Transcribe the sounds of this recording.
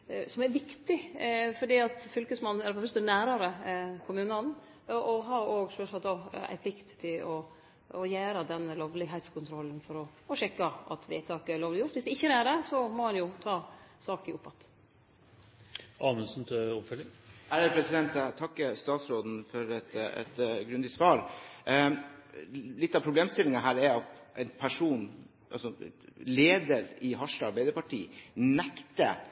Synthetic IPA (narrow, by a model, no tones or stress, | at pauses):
sɔmæɾʋɪkt̪ɪfɔɖiːɑt̪fʏlkəsmɑnːæɾfɔfœst̪ənæːɾɑɾəkʰʊmʉːnɑn | ʔɔɦɑɾoːɡsœʂɑt̪ɑæ̰ɪpʰlɪkt̪t̪ʰːɪlɔː | jæːɾəd̪ɛnːəloːʋlɪɦɛɪt̪skʰʊnt̪ʰɾɔlːənfɔɾɔ | ɔʂɛkːəʔɑ̰t̪ʰʋḛːt̪ʰɑːkəæɭloːʋlɪjʊʈt̪ːʋɪsd̪ɛɪçːəɾæɖɛsɔmɔhɑnjʊt̪ʰɑːsɑːkɪʊpːɑt̪ː | ʔɑːmənsnt̪ʰɔpfœlɪŋæɾəpʰɾɛsɪd̪ɛnt̪t̪ʰɑkːəst̪ɑːt̪sɾoːd̪n̩fɔɾɛt̪ɛ̰t̪ɡɾʉnd̪ɪsʋɑːɾ | lɪt̪ːɑʋpʰɾʊbleːmst̪ɪlɪŋɑɦæːɾɛɾɑt̪ʔɛɪnpʰæʂuːn | ʔɑ̰lsɔleːd̪əɾɪɦɑʂʈəɑɾbæɪd̪əpɑʈḭːnɛkt̪ə̰